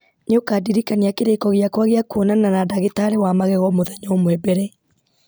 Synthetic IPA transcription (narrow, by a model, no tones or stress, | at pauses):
neokaːdiɾikaniakeɾekɔɣeakwaɣeakuɔnananadaɣetaɾewamaɣɛɣɔmoðaɲɔmwɛbɛɾɛ